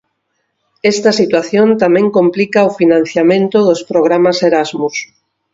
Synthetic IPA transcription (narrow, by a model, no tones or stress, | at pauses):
est̪ɐsit̪waθjõnt̪amẽŋkomplikɐofinãn̟θjamẽnt̪ʊðospɾoɣ̞ɾamaseɾazmus